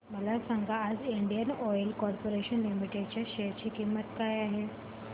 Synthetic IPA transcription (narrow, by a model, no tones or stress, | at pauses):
məlasaŋɡaːd͡ziɳɖijənɔjlkɔɾpoɾeɕənlimiʈjaɖt͡ɕjaɕet͡ɕiːkimːət̪kajaɦe